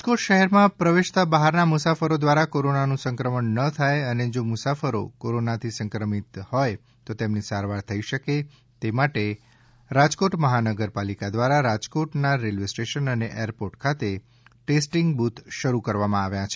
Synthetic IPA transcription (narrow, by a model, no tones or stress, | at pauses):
koʈʃəɦɛɾmãpɾəʋeʃt̪abaɦaɾnamʊsafəɾod̪ʋaɾakoɾonanũsəŋkɾəməɳːət̪ʰajəned͡ʒomʊsafəɾo̰koɾonat̪ʰisəŋkɾəmit̪hɔj | t̪ot̪emnisaɾʋaɾt̪ʰəiʃəke | t̪emaʈe | ɾad͡ʒkoʈməɦanəɡəɾpalikad̪ʋaɾaɾad͡ʒkoʈnaɾelʋesʈeʃənəneʔeɾpoʈkʰat̪e | ʈesʈiŋɡbut̪ʰʃəɾukəɾʋamãaʋjãt͡ʃʰe